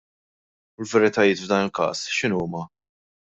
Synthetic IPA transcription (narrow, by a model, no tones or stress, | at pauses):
ʊlvɛɾɪt̪ɐjɪːt̪vd̪ɐːnɪlkɐ̰ːsʃɪnuːmɐ